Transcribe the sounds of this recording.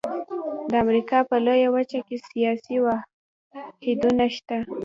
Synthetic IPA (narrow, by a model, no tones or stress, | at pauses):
d̪əamɾikɑpəlojawət͡ʃakesijɑsiwa | hed̪unaʃt̪a